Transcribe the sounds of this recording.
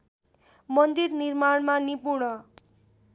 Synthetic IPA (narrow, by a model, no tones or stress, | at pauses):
mʌnd̪irnirmaɽmanipuɽʌ